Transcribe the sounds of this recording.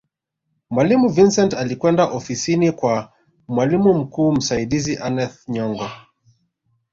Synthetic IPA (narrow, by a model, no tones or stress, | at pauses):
mwalimuvinsɛntalikwɛndaʔɔfisinikwa | mwalimum̩kuːm̩saiɗiziʔanɛθɲɔŋɡɔ